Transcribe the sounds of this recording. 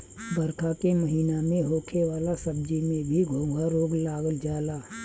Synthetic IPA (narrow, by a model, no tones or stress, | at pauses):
bəɾkʰakeməɦiːnamẽɦoːkʰewaːlasəb̚d͡ʒimẽbʱiɡʱõːɡʱaɾoːɡlaːɡəld͡ʒaːlaː